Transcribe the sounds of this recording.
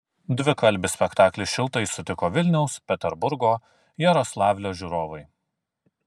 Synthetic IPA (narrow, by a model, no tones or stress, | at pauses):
d̪ʲʋʲɪkɐlʲbʲɪsʲpʲɛkt̪ɑːklʲɪʃʲɪlˠt̪ɐɪsʊt̪ʲɪkoːʋʲɪlʲnʲɛʊspʲɛt̪ʲɛɾbʊɾɡoː | jɛɾoslˠɑːʋʲlʲoːʒʲuːɾoːʋɐɪ